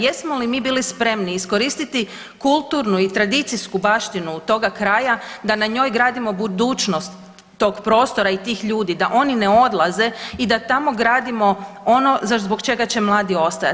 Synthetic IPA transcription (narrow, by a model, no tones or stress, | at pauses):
jesmolimiːbiːlispɾe̞mniːsko̞ɾiːst̪it̪i | kulˠt̪uːɾnuit̪ɾad̪it̪siskubaːʃt̪inuːt̪o̞ɡakɾaːjad̪anaɲo̞jɡɾaːd̪imo̞bud̪uːt͡ʃno̞st̪ː | o̞ːɡpɾo̞ːst̪o̞ɾait̪iːxʎuːd̪id̪aʔo̞nine̞o̞d̪lˠaze̞id̪at̪amo̞ɡɾaːd̪imo̞ono̞zazbo̞kt͡ʃe̞ɡat͡ɕe̞mlˠaːd̪io̞st̪aja̰